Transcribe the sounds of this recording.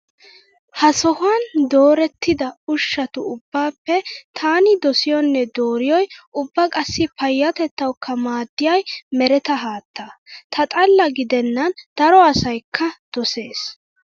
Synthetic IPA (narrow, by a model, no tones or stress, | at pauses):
hɐsɔhʊand̪oːɾɛt̪ːɪd̪ɐʊʃːɐt̪ʊʊbːaːpːɛt̪ʰaːnɪd̪ɔsɪjɔnːɛd̪oːɾɪjɔjʊbːɐkʼɐsːɪpɐjːɐt̪ɛt̪ːɐwkʰːɐmaːd̪ːɪjɐjmɛɾɛt̪ɐɦaːt̪ːɐt̪ʰɐt̪ʼɐlːɐɡɪd̪ɛnːɐnd̪̥ɐɾɔɐsɐjkʰːɐd̪̥ɔse̞ːs